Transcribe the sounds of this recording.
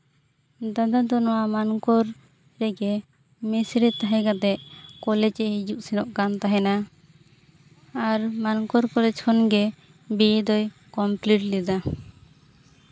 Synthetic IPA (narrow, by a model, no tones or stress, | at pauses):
d̪ad̪ad̪ɔnɔwamankɔɾ | ɾɛɡɛ | mɛsɾɛt̪aɦɛɡat̪ɛʔkɔlɛd͡ʒɛɦid͡ʒuʔsinɔʔkant̪aɦɛna | aɾmankɔɾkɔlɛd͡ʒkʰɔnɡɛ | bid̪ɔj | kɔmpliʈlɛd̪a